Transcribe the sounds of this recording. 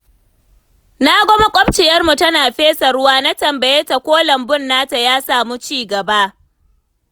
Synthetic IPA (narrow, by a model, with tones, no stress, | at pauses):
na˦ɡʷɔ˦ma˦kʷʼɔ˦b̚t͡ʃɪ˨jɐ˦rmu˨tɐ˦naː˨ɸeː˦sɐ˨ɾʊ˦waː˦na˦tɐ˨mbɐ˨jeː˦ta˨kʷoː˦lɐ˨mbʊ˦˨nːaː˦ta˨jaː˦saː˨muː˦t͡ʃiː˦˨ɡɐ˨ba˦ʔ